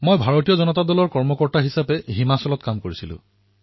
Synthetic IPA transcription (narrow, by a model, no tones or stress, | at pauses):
mojbʱaɹotijɔzɔnɔtadɔlɔɹkɔɹmɔkɔɹtaɦisapɛɦimasɔlɔtkamkoɹisilʊ̰̃